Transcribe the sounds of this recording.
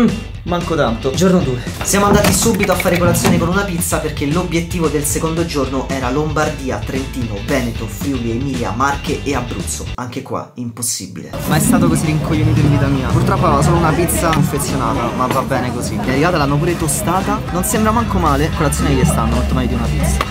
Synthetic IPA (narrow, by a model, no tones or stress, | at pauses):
maŋkot̪ant̪od͡ʒornod̪uesjaːmoand̪aːt̪isubit̪oafːaːɾekolat̪sːjoːnekonunapit̪sːaperk̟elobjet̪ːiːvod̪elsekond̪od͡ʒornoʔɛːɾalombard̪iːa̰t̪ɾent̪iːnovɛːnet̪ofɾuliemiːlja̰markeʔeabɾṵt̪sːoaŋk̟ekwa̰imposːḭbḭlḛmaɛst̪aːt̪okoziɾiŋkojːoniːt̪̬od̪ivit̪amiːapurt̪ɾɔpːavevos̬oːlounapit̪sːaofːet̪sːjonaːt̪amavːabːɛːnekozimɛnɛɾivaːt̪alːamop̬uɾet̪ost̪aːt̪anonsembɾamaŋkomaːlekolat̪sːjoːnejɛst̪anːomolt̪ːomaːjod̪iunapit̪sa